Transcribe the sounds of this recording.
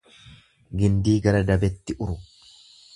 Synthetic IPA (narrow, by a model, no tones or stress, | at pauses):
ɡɪnd̪iːɡɐɾɐd̪ɐbɛt̪ːɪʔʊɾʊ